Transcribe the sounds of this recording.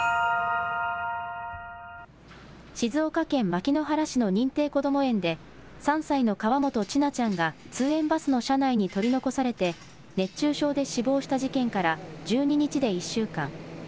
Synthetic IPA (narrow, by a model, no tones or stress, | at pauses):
ɕizo̞ːkakẽ̞mβakʲino̞ɦaɾaɕino̞ɲ̟ĩnt̪e̞ːko̞d̪o̞mo̞ẽ̞nd̪e̞ | sãɰ̃saino̞kaβamo̞t̪o̞t͡ɕinat͡ɕãŋɡa | t͡sɨːẽ̞mbasɨno̞ɕanaiɲ̟it̪o̞ɾʲino̞ko̞saɾe̞t̪e̞ | ne̞t͡ɕːɨːɕo̞ːd̪e̞ɕibo̞ːɕi̥t̪aʑikẽ̞ŋkaɾad͡ʑɨːɲ̟iɲ̟it͡ɕid̪e̞iɕːɨːkãŋ